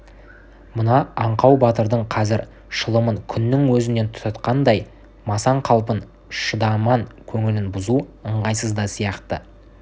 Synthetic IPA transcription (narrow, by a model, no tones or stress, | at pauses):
mʊnɑɑɴqɑwbɑt̪əɾd̪əɴqʰɑzɪɾ | ʃəlˠəməŋkʲʰʏnːɪŋwɵzɪne̞nt̪ʰʊ̥t̪ɑt̪qɑnd̪ɑj | mɑsɑɴqʰɑlˠpən | ʃəd̪ɑmɑŋkʲʰɵŋɪlɪnbʊzuəɴʁɑjsəzd̪ɑsijɑqt̪ə̰